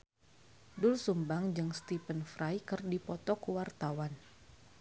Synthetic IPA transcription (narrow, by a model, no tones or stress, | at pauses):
dʊlsumbaŋd͡ʒɨŋst̪ipənfɾajkɨrdipɔt̪ɔkuwart̪awan